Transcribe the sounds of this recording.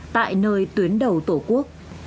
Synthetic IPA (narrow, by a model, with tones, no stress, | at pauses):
t̪a̰ː˧˨jnəː˨˧jt̪wi˨˦ənɗə˨˩wt̪o˧˩ku˦˥ək̚